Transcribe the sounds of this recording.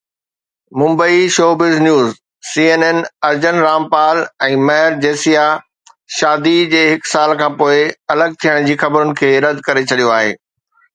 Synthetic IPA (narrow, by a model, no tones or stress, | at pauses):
mʊ̃mbəiʃoːbɪznjuːz | siːeːneːnɐɾd͡ʑənɾaːmpaːlɛ̃ːmɐɦɾd͡ʑeːsija | ʃaːd̪id͡ʑeːɦɪksaːlkʰãːpoːɪɐləɡ̚t̪ʰijəɽ̃d͡ʑiːxɐbɾʊnɪ̆kʰeːɾɐd̪ʱkɐɾet͡ɕʰɐɗijoaːɦḛː